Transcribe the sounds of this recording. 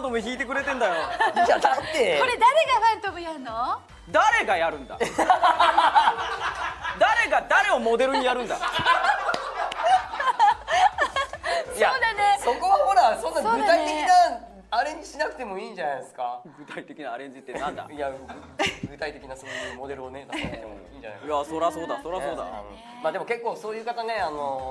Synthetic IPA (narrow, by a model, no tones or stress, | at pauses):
t̪omeçiːt̪e̞k̬ɯ̟ɾe̞t̪ẽnd̪ajod͡ʑad̪at̪ːeo̞ɾe̞d̪aɾe̞ɡamant̪omɯjaɯno | d̪aɾe̞ɡajaɾɯ̟̃nd̪a̰ | d̪aɾe̞ɡad̪aɾe̞omo̞d̪e̞ɾɯ̟ɲ̟ijaɾɯ̟̃nd̪a̰ | jaso̞ko̞βaho̞ɾasõ̞nːaɡɯ̟ait̪e̞kina | aɾẽ̞ɲ̟d͡ʑiɕinakɯ̟t̪e̞mo̞iːɲd͡ʑanajd̪esɨ̥kaɡɯ̟t̪ait̪e̞kʲinaːɾẽ̞ɲd͡ʑit̪ːenãnd̪a̰ja | ɡɯ̟t̪ait̪e̞kʲinasoːjɯ̟ːmo̞d̪e̞ɾɯ̟onet̪akt̪ḛo̰iːɲd͡ʑa̰na̰jasoɾaso̞ːd̪asoɾasoːd̪a̰ | maːd̪e̞mo̞ke̞kːoːso̞ːjɯ̟ːkat̪ane̞ano̞